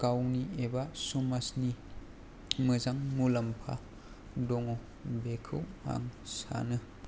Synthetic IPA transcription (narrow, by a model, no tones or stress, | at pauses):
kawniebasumasni | mɯzaŋmulampʰa̰ | dɔŋɔ | bekʰɯ̰wha̰ŋsa̰nɯ